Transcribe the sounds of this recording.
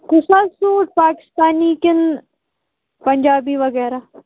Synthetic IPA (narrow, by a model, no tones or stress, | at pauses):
kʊsaːsuːʈ̚paːkɪ̥st̪aːniːkɪn | pɐɲd͡ʒaːbiːʋɐɣɛːɾaː